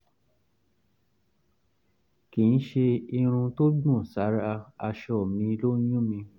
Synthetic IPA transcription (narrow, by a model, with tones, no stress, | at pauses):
ki˨n̩˦ʃe˧i˧ɾ̃ũ˧to˦ɡ͡bũ˦˨sa˨˦ɾa˧a˧ʃɔ˦˨mĩ˧lo˦jũ˦mĩ˧